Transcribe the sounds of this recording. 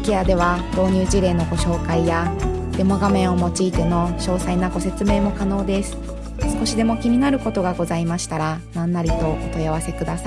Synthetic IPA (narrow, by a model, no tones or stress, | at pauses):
kʲead̪e̞β̞ad̪̥o̞ːɲ̟ʲɨːd͡ʑiɾe̞ːno̞ɡo̞ɕo̞ːkaija | d̪̥e̞moɡamẽ̞ɰ̃o̞mo̞t͡ɕiːt̪e̞no̞ɕo̞ːsainaɡo̞se̞t͡sɨme̞ːmo̞kano̞ːd̪e̞sɨ̥ | sɨ̥ko̞ɕid̪e̞mo̞kʲimʲinaɾɯ̟ko̞t̪o̞ɡaɡo̞zaimaɕi̥t̪aɾanãnːaɾʲit̪o̞ot̪o̞jaβ̞ase̞kɯ̟d̪asai